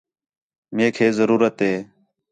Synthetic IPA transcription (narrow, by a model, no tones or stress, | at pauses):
meːkʰeːzəɾuːɾət̪ɦeː